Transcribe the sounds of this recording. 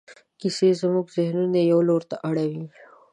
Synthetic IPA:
kisezmuɡzɪhnunejawloɾt̪aʔaɽawi

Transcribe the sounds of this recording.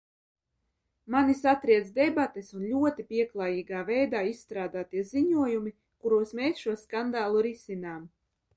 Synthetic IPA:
manisat̪ɾiɛd̪zd̪ɛbat̪esunlʲuɔt̪ipʲiɛklˠaːjiːɡaːvɛjd̪aːissːt̪ɾaːd̪aːt̪iɛziɲuɔjumi | kuɾuɔsmeːsʃuɔskand̪aːlˠuɾisinaːm

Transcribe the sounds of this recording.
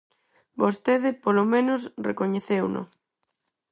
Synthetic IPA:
bost̪eðɪpolomẽnʊsrḛkoɲeθewnʊ̰

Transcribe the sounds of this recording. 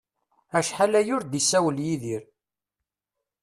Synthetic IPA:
æʃħalæjʊɾd̪isæwəljiðiɾ

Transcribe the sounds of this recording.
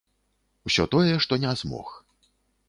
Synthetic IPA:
wsʲɔt̪ɔjɛʂt̪ɔnʲɛzmɔ̰x

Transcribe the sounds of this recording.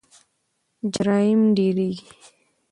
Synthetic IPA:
d͡ʒɾaːimɖiːɾi

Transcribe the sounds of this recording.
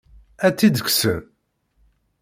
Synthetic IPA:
æt͡sːid̪əksə̰ɾ

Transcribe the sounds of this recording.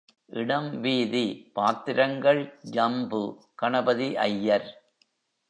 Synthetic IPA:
ʔɪɽɐmʋiːðipaːt̪ɪɾɐŋɡɐɭd͡ʒɐmbɯ | kɐɳɐbɐðiʔɐ̰jːɐɾ

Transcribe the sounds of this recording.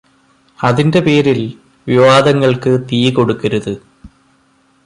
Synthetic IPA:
ɐðinde̞pe̞ːɾil | ʋiʋaːd̪ɐŋːɐɭkɨt̪iːjko̞ɽukːɐɾuðɨ

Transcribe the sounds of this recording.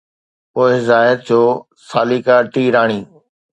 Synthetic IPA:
poːɪzaːɪɾ̚d͡ʑoː | saːliːkaːʈiːɾaːɽ̃iː

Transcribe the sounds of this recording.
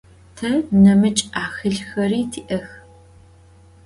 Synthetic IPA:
tʰɐnɐmɨt͡ʃʼaːxɨɮxɐriːtʰiːʔɐx

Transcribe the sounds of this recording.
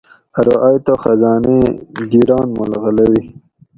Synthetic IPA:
aɾoʔajt̪oxazɑːneɡ̪iɾɑːnmulɣəlewi

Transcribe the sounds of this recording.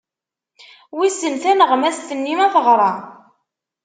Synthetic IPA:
wisənθænəʁmæst̪ənːimæθəʁɾˤɑ

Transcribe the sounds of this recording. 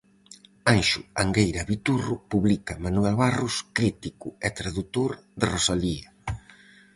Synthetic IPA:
anʃʊaŋɡejɾɐβit̪urʊpuβlikɐmanuɛlβarʊskɾit̪ikʊɛt̪ɾaðut̪oɾðɪrosaliɐ

